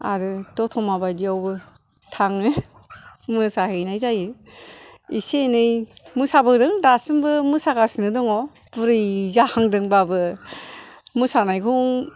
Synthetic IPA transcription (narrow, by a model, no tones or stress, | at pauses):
a̰ɾɯdɔtʰɔmabajdiawbɯ | tʰaŋɯ | mɯsahɯjnajzajɯ | isenɯjmɯsabɯdɯŋdasɯmbɯmɯsakasinɯdɔŋɔ | buɾɯjzahaŋdɯŋbabɯ | mɯsanajkʰɯwŋ